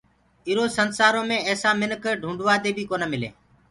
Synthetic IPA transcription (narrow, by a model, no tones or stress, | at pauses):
ɪɾoːsənsaːɾõːmẽːɛːsaːmɪnkɖʱũːɳɖʋaːd̪eːbʱiːkoːnəːmɪlḛː